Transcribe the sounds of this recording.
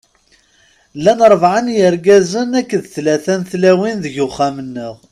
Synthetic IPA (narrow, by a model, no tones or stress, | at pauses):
lːænɾˤəvʕənjəɾɡæzənækːðθlæθænθlæwinðəʝʊχːamənːəʁ